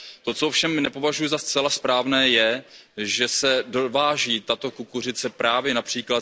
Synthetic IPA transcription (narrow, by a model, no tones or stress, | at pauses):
t̪o̞t͡soofʃɛmnɛpo̞vaʒujʊzast͡sɛlaspɾaːvnɛːjɛʒɛsɛdo̞vaːʒiːt̪at̪o̞kukur̝ɪt͡sɛpɾaːvjɛnapr̝̥iːkla